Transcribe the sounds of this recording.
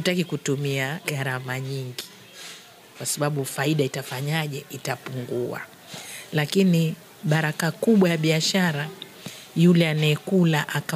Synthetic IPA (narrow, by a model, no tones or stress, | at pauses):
hutakikutumiaɡaɾamaɲiŋɡi | kwasaɓaɓufaiɗaitafaɲaʄɛʔitapuŋɡua̰ | lakini | ɓaɾakakuɓwajaɓiaʃaɾa | julɛanɛɛkulaʔaka